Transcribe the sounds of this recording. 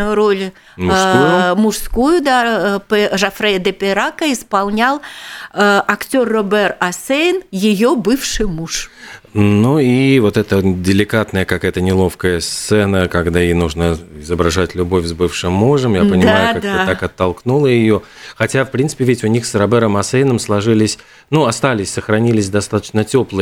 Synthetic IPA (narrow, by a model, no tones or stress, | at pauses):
ʊjʊɾolʲ | ʂujmʊʂskujʊd̪apʐɐfɾɛd̪əpʲɪɾakəɪspɐlˠnʲalˠ | ɐktʲorːobɛrɐsejnjɪjobɨfʂɨjmuʂ | nuivot̪ɛt̪ədʲɪlʲɪkat̪nəjəkakajət̪ənʲɪlˠo̞fkəjəst̪sɛnəkɐɡd̪aɪjnuʐnəɪzəbɾɐʐatʲlʲʊbo̞fʲzbɨfʂɨmːuʐəmjapənʲɪmaaajʊkakd̪ət̪akɐt̪ːɐlˠknulˠəjɪjo̞xɐtʲafpɾʲinsɨ̥pʲɪvʲɪtʲʊnʲixsrɐbɛɾəmɐsejɪnəmslˠɐʐɨlʲɪsʲ | nuɐst̪alʲɪsʲsəxɾɐnʲilʲɪsʲd̪ɐst̪at̪ə̥t͡ɕnətʲoplˠɨ